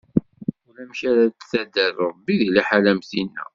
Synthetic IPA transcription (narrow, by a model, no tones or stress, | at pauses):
ʊlæmʃaɾat̪θæd̪ərˤɾˤbːiðiliħalæmθinːæ̰